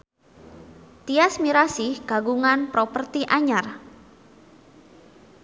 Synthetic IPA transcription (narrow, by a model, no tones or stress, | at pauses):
t̪iasmiɾasɪhɡ̥aɡuŋanpɾopərt̪iʔaɲar